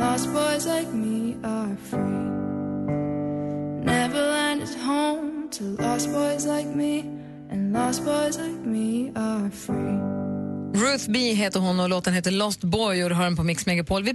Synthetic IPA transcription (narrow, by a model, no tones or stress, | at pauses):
lɔsb̥ɔɪzlaɪk̚miəfɹi | nɛvəlæ̃ndɨd̚hõʊ̃mtʰəlɔstb̥ɔɪzlaɪk̚mi | ʔɨ̃nlɔsb̥ɔɪzlaɪk̚miəfɹi | ɹʉːθbiɦeːt̪əɾɦɔnːɔmloːt̪ənheːt̪əlɔst̪bɔjʊːɾɦɑːɛnpʰɔmɪksmɛɡapʰoːlvɪ